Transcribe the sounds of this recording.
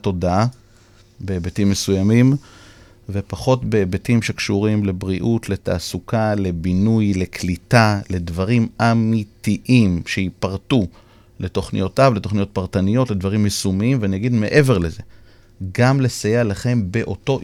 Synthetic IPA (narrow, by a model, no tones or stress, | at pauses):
to̞daa | beːbetimːesujamim | ve̞paχo̞tbeːbetimʃe̞kʃuʁimle̞bʁiʔutle̞ta̰ːsukale̞binujle̞kʰlitale̞dvaʁimamitiʔimʃe̞jipaʁtu | le̞t̪o̞χnḭjo̞tavle̞t̪o̞χnijo̞t̚paʁtanijo̞tle̞dvaʁimːesumiimveanijaɡidme̞ʔe̞ve̞ʁleze̞ | ɡamlesajelaχe̞mbe̞ʔo̞to̞